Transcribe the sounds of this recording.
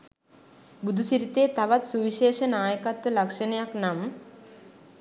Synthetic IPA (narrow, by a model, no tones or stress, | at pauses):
bud̪ʱusiɾit̪eːt̪aʋat̪suʋiʃeːʃənaːjəkat̪ʋəlakʂənɐjaknam